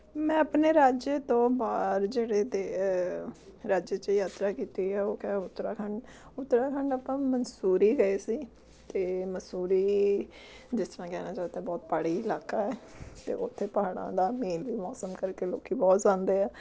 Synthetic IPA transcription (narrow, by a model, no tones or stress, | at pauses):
mɛ̃ːəpneːɾaːd͡ʒet̪õːbaːɾd͡ʒeːɽeːd̪eː | ɾaːd͡ʒt͡ʃejaːt̪ɾaːkiːt̪iːɛːoːkɛːʊt̪ːɾaːkʰəɳɖ | ʊt̪ːɾaːkʰəɳɖapãːmənsuːɾiːɡəeːsiː | t̪eːməsuːɾiː | d͡ʒɪst̪əɾãːkɛːnaːt͡ʃaːt̪ɛːbɔːt̪̚paːɽiːɪlaːkaːɛːt̪ḛːʔʊt̪ʰːeːpaːɽã̰ːd̪aːmeːlʋiːmɔːsəmkəɾkeːloːkiːbɔːt̪zãːnd̪eːɛː